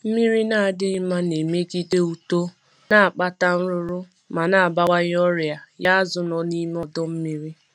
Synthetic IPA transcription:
m̩˦mi˦ɾi˦na˦˨a˨dɪ˦ɪ˦ma˦ne˨me˦ɡi˦de˦u˨to˦ | na˦˨a˨k͡pa˦ta˦n̩˦ɾʊ˦ɾʊ˦ | ma˨na˦˨a˨ba˦wa˦ɲ˦ɔ˦ɾja˨ja˦a˦zʊ˨nɔ˨ni˦m˦ɔ˦dɔ˦m̩˦mi˦ɾi˦

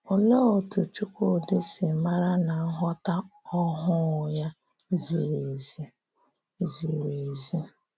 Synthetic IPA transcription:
ʊ˨lɔ˦o˨tu˨t͡ʃu˦kʷo˦˨de˦sɪ˨ma˦ɾa˦na˨a˦ɦɔ˦ta˦ɔ˦ɦʊ˦˨ja˦ | zi˨ɾe˨˦ | zi˨ɾe˨zi˦

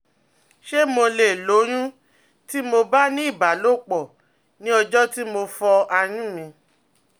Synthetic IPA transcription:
ʃe˦mo˧le˨lo˨˦j̃ũ˦ | ti˦mo˧ba˦nĩ˦i˦˨ba˨˦lo˦˨k͡pɔ˨ | nĩ˦ɔ˧d͡ʒɔ˦ti˦mo˧fɔ˧a˧j̃ũ˦mĩ˧

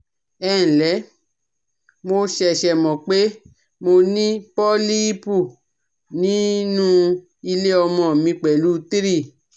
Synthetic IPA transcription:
ɛː˦˨lɛ˨˦ | mo˧ʃɛ˨ʃɛ˨mɔ̃˨k͡pe˦ | mo˧nĩ˦pɔ˦li˦i˦pu˦˨ | nĩ˨˦nũ˦ | i˧le˦ɔ˧mɔ̃˨mĩ˧k͡pɛ˨lu˨˦ti˦ɾi˦˨

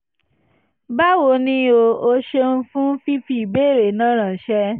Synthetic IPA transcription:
ba˦wo˧nĩ˦o˧o˧ʃe˦n̩˦fũ˦fi˦fi˦i˨be˦˨ɾe˨nã˦ɾ̃ã˨ʃɛ˧˦

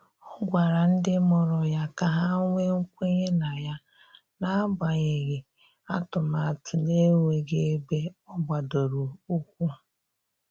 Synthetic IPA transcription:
ʊ˦ɡʷa˨ɾa˨n̩˦dɪ˦mɔ˨ɾɔ˨ja˦ka˨ɦa˦ŋʷe˦ŋ̩˦kʷe˦ɲe˦na˨ja˦ | na˦ba˨ɲe˨ɣe˨ | a˦tʊ˨ma˨a˨tʊ˨ne˦ŋʷe˨ɡe˦e˦be˦ɔ˦bʷa˨do˨ɾu˨u˦kʷu˦

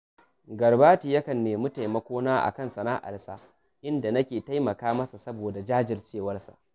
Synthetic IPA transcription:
ɡɐ˨rbaː˦tiː˨jɐ˦kɐ˨nːeː˨mu˦ta˨jmɐ˦kʷoː˦naː˦ʔa̰˨kɐ˦˨nsɐ˨naː˦ʔa̰˨rsa˦ | ʔɪ˦nda˨nɐ˦kʲeː˨ta˦jmɐ˨kaː˦mɐ˦sa˨sɐ˦boː˨da˨d͡ʒaː˦d͡ʒɪ˨rt͡ʃeː˦˨wɐ˦rsa̰˨ʔ

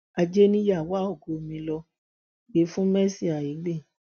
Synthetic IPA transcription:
a˧d͡ʒe˦nĩ˦ja˦˨wa˦o˦˨ɡo˨mĩ˧lɔ˧ | ɡe˨˦fũ˦mɛ˦si˦˨a˨i˨˦ɡ͡be˦˨

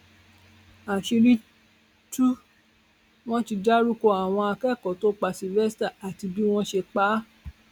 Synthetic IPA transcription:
a˨ʃi˧ɾĩ˦ | tu˦ | w̃ɔ̃˦ti˧d͡ʒa˦ɾu˦ko˧˨a˨w̃ɔ̃˧a˧kɛ˦˨kɔ˨to˦k͡pa˧˨si˧lvɛ˦sta˦˨a˨ti˧bi˦w̃ɔ̃˦ʃe˧k͡pa˨˦

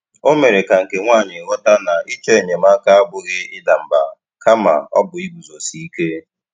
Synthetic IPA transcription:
o˦me˨ɾe˨ka˨ŋ̩˨ke˨ŋʷa˦˨ɲɪ˨ɣɔ˦ta˦na˨i˦t͡ʃe˦˨ɲe˨ma˦ka˦a˦ɡ͡bʊ˦ɣɪ˦ɪ˦da˨m̩˨ba̰˨ | ka˦ma̰˨ɔ̰˦bʊ˨i˦bu˨zo˨si˨i˦ke˦

